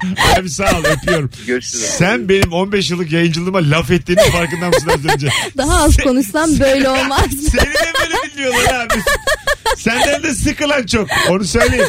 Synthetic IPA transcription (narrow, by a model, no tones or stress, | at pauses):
bænbisalˠjapʰɯjo̞ɾumøssænbe̞nimo̞nbɛʃ̬jɯlˠːɯkjajɯnd͡ʒɯlˠɯːmalʲafɛt̪ːiːnizfaɾkɯnd̪anslʲanzønd͡ʒɛd̪aɦaazko̞nuʃsambø̞jlʲɛolˠmaseid̪ɛbøjlʲebilʲːijo̞lˠaɾɾaːbis | sænd̪ænd̪ɛsɯkɯlˠant͡ʃʰo̞k̚o̞nusø̞jlʲejim